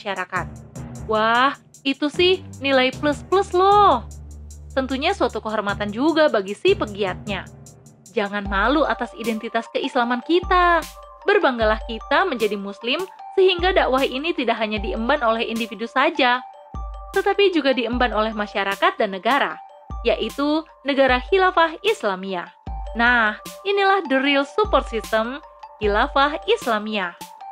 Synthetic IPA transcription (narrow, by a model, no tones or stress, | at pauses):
aʃaɾakat̪̚wah | it̪usɪhnilajpləspləslɔht̪ənt̪uɲasuat̪ukəɦɔrmat̪and͡ʒuɡabaɡisɪhpəɡiat̪̚ɲa | d͡ʒaŋanmaluʔat̪asidɛnt̪it̪askəʔislamankit̪a | bərbaŋɡalahkit̪aməɲd͡ʒadimuslɪmsəhiŋɡadaʔwahinit̪idaʔɦaɲadiəmbanolɛhindifidusad͡ʒa | t̪ət̪apid͡ʒuɡadiəmbanolɛhmaʃaɾakat̪̚danːəɡaɾa | jaʔit̪u | nəɡaɾahilafaɦislamiahnahinilahdəɾilsupɔrt̪sist̪əmhilafahislamiah